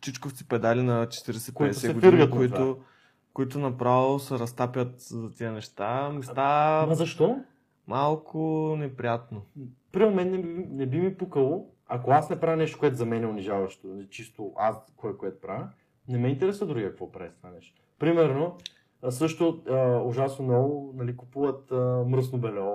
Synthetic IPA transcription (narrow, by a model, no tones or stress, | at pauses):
t͡ʃit͡ʃkoft̪si̥pɛd̪alinɐt͡ʃɛ̥t̪iɾɛsɛkpɛid̪ɛsɛɛɡod̪iɾnikoiʊ | koit̪̬ʊnɐpɾavilˠosɛɾɐst̪apʲjət̪zɐt̪iənɛʃt̪amɛst̪amɐzɐʃt̪ɔ | malˠkʊnɛpɾijat̪nopɾimomɛnːɛinɛbimipukəlˠo | ɐkoasnɛpɾajnɛʃt̪o̥koɛt̪ʊzɐmɛnɛʊniʒavɐʃt̪oit͡ʃist̪ʊʔaskɔjkoɛt̪ʊ̥pɾavʲ | nɛmɛint̪ɛɾɛsvəd̪ɾuɡiɐkvɔpɾaɛst̪vanɛʃt̪ | pɾimɛɾno | sɤʃt̪oəʊʒasnonɔvʊnɐlikupuvət̪əmɾəs̬nobɛlɔ